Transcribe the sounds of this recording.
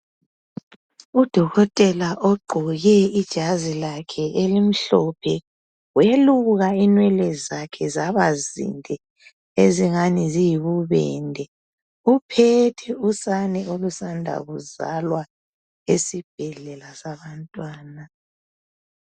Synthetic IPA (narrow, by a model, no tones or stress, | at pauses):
ud̥ʱɔɣɔtʼɛlaʔoɡ͡ǃʱɔɣɛid̥ʒ̥ʱazilakʰɛʔelim̩ɬɔpʰɛ | weluɣainwɛlɛzakʰɛzaβazḭndʱɛ | eziŋanizijiβuβɛ̰ndʱɛ | upʰɛtʰɛusanɛolusandʱa̰ɣuza̰lwa | esib̥ʱɛɮɛlasaβantʼwaːna